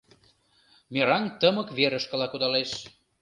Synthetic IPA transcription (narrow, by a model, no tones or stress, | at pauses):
meɾɑnt̪əmə̆kβeɾəʃkə̆lɑkud̪ɑleʃ